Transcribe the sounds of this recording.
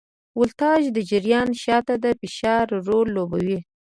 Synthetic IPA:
wʊlt̪ɑʒd̪əd͡ʒɪɾjɑnʃɑt̪ad̪əpɪʃɑɾːolːoba̰wi

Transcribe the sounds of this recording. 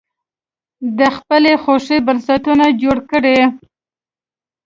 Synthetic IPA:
d̪əxpəlexoʂibaɾsat̪unad͡ʒoɽkəɽe

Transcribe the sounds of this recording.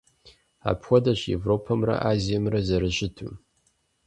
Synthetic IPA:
a̰ːpʰxʷɔdɐɕjḛvropʰɐmrɐ̰ʔaːzijɐmrɐzɐɾɨʒɪtʰṵ

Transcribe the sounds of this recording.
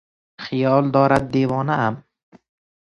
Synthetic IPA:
χɪjɒlˠd̪ɒːɾad̪̚ːevɒːnaam

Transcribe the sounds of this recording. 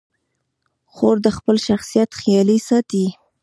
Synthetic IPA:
xoɾd̪əxpəlʃaxsijat̪xjɑlisɑt̪i

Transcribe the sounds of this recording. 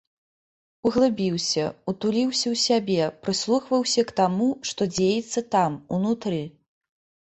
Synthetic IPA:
uɣlˠɨbʲiwsʲɐut̪ulʲiwsʲɐwsʲabʲɛpɾɨslˠuxvɐwsʲɐkt̪amuʂt̪ɔd͡zʲejɛt̪sːɐt̪amunut̪ɾɨ

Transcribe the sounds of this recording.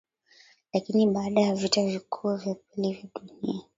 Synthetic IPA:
lakiniɓaːɗajavitavikʰuɔvjapilivjaɗunia

